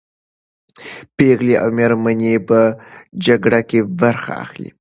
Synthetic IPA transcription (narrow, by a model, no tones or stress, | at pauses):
peɣleʔa̰wmeɾmanepəd͡ʒaɡɽakebaɾxa̰a̰xlḭ